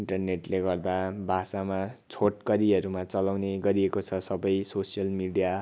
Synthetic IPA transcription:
iɳʈʌrneʈleɡʌrd̪abʱasamat͡sʰoʈ̚kʌɾiʌɾumat͡sʌlawneɡʌɾiekot͡sʰʌsʌbʌjsosijʌlmiɽija

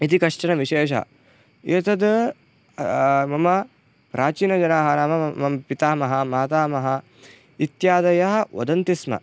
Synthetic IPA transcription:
it̪̬ikɐʂʈɐnɐʋiʃeːʃɐ̰ɦɐ̰ | et̪ɐd̪ | mɐmɐ | pɾʔaːt͡ʃiːnɐd͡ʒɐnaːɦɐnaːmɐɐmpit̪aːmɐɦɐ̆maːt̪aːmɐɦɐ | it̪jaːd̪ɐjɐɦɐ̆o̰d̪ɐnt̪ismɐ̰

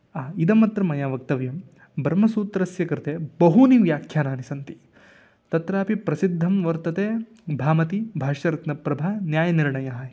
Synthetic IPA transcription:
aːid̪ɐmɐt̪ɾɐmɐjaːʋɐk̚t̪ɐʋjɐm | bʱɐɾmɐsuːt̪ɾɐsjɐkɾt̪eːbɐɦuniʋjaːkʰjaːnaːnisɐnt̪i̥ | t̪ɐt̪ɾaːpipɾɐsid̪ʱːɐmʋɐɾt̪ɐt̪eː | bʱaːmɐt̪ibʱaːʃɐɾɐt̪nɐpɾɐbʱaːnjaːjɐniɾɳɐjɐɦɐ

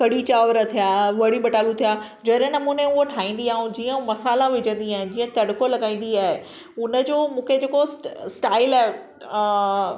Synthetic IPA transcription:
kɐɽit͡ɕaːʋɾət̪ʰijaːʋɐɽiɓɐʈaːlũt̪ʰijaː | d͡ʑɐɗ̃nɐmũːneʊɦoʈʰaːĩːnd̪iaːɦũd͡ʑiːə̃mɐsaːlaʋɪd͡ʑə̃nd̪iaːɦɪ̃d͡ʑĩːə̃t̪ɐɽʊkolɐɡaːĩːn̆d̪iaːɦe | ʊnə̆d͡ʑoːmũːkʰed͡ʑeːkossʈaːɪlaːɦe

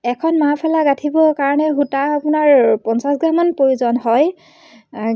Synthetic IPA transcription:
ɛkʰɔnmapʰɛlaɡatʰibɔkaɹɔnɛɦutaːpʊnaɹpɔnsasɡɹamanpoɹuzɔnɦɔj

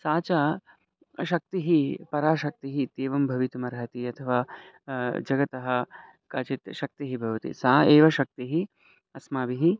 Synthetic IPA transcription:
saːt͡ʃa | ʃɐk̚t̪iɦipɐɾaːʃɐk̚t̪iɦit̪eːʋɐmbʱɐʋit̪umɐɾɦɐt̪iɐt̪ʰɐʋaː | d͡ʒɐɡɐt̪ɐɦɐ | kɐt͡ʃit̪ʃɐk̚t̪iɦibʱɐʋɐt̪ḭsaːeːʋɐʃɐk̚t̪iɦi | ɐsmaːʋiɦi

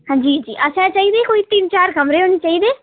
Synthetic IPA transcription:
ɦãːd͡ʒiːd͡ʒiːʔəsãt͡ʃaːɦid̪eːkoːit̪int͡ʃaːɾɡʱɐmɾeɦoːnit͡ʃaːɦid̪eː

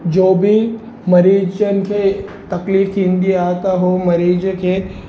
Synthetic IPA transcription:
d͡ʒoːbʱi | mɐɾiːd͡ʒd͡ʒənkʰet̪ɐkliːfɦĩnd̪iaːt̪aɦomɐɾiːd͡ʒkʰe

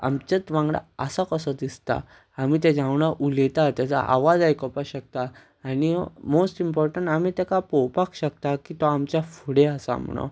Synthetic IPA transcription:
a̰mt͡ɕət͡sʋãŋɡɽa̰əsakəsɔd̪ist̪a̰ː | m̤it̪ɛ̃d͡zãʋɳaʔulɛt̪at̪jat͡sa̰ʔa̰ʋad͡zajkɔpaɕək̚t̪a | animosʈimpɔɾʈəɳʈamit̪ɛkapɔwpakɕək̚t̪akit̪ɔamt͡ɕjafuɽeəsa̰m̤ṵɳ̃o̰

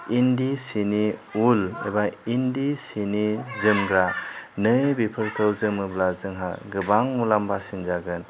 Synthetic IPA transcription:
indisiniulḛbaindisinizɯmɡɾanɯjbipʰɯɾkʰɯwzɯmɯblazɯŋɦa̰ɡɯbaŋmulambasinzaɡɯn

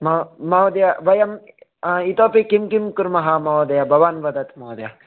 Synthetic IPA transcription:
mɐmɐwd̪jaʋɐjɐm | it̪oːpikimkimkuɾmɐɦamɐwd̪ɐjabʱɐʋaːnʋɐd̪ɐt̪mɐwd̪ɐja

